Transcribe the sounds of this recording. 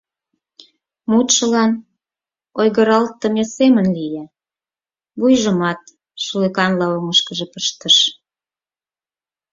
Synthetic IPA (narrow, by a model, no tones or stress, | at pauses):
mut̪ʃəlɑn | ojɣəɾɑlt̪ːə̆mesemənlije | βujʒə̆mɑt̪ | ʃulekɑnlɑoŋəʃkəʒepəʃt̪əʃ